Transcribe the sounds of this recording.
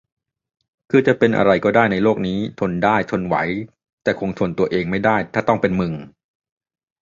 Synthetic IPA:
kʰɯː˧t͡ɕa˨˩pe˧nʔa̰˧ɾa˧jkɔː˥˩daː˥˩jna˧jloː˥˩k̚niː˦˥t̪ʰo˧ndaː˥˩jt̪ʰo˧nwa̰˩˦j | t̪ɛː˨˩kʰo˧ŋt̪ʰu˧ənt̪u˧ɐʔeː˧ŋma˥˩jdaː˥˩jt̪ʰaː˥˩t̪ɔ˥˩ŋpe˧nmɯ˨˩ŋ

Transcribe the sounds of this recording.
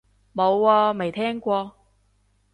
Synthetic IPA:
mo˨˧wːɔː˧me˨˩jt̪ʰɛː˥ŋkʷɔː˧

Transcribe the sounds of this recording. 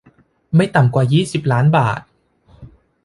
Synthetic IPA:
ma˥˩jt̪a˨˩mkwaː˨˩jiː˥˩si˨˩p̚laː˦˥nbaː˨˩t̪̚

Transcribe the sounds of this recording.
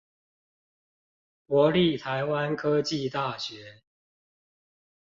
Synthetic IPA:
kwɔ˨˥li˥˨t̪ʰa˨˦ɪwa˦nkʰɤ˦t͡ɕi˥˨t̪a˥˨˩ɕɥɛ˨˦

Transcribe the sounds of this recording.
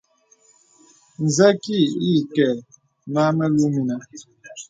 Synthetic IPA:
n̩˨zɛ˦ki˦˨i˦˨kɛ˨ | ma˦mɛ˦lu˦mi˨na˨

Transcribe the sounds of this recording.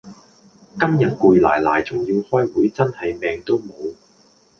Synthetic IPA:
kɐ˥mjɐ˨˩t̚kuː˨˧jla̰ː˨˩jlaː˨˩jt͡sʊ˨ŋjiː˧whɔː˥jwuː˨˥jt͡sɐ˥nhɐ˨jmɛː˨ŋt̪o˥wmo˨˧w

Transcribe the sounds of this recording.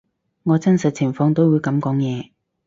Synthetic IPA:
ŋɔː˨˧t͡sɐ˥nsɐ˨t̚t͡sʰɪ˨˩ŋfɔː˧ŋt̪o˥wuː˨˧jkɐ˨˥mkɔː˨˥ŋjɛː˨˧

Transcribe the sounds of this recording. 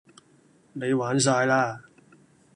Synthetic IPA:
ne˨˧jwaː˨˥ns̬aː˧jlaː˥

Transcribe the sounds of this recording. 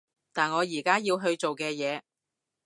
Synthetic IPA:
t̪aː˨nŋɔː˨˧jiː˨˩kaː˥jiː˧wɦɵ˧ɥt͡so˨wkɛː˧jɛː˨˧

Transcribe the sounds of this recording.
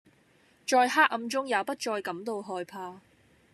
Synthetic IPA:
t͡ʃɔː˧jɦaː˥k̚ʔɐ˧mt͡sʊ˥ŋjaː˨˧wpɐ˥t̚t͡ʃɔː˧jkɐ˨˥mt̪o˧wɦɔː˧jpʰaː˧

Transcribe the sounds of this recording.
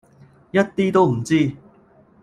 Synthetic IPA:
jɐ˥t̚t̪iː˥t̪o˥wm̩˨˩t͡siː˥

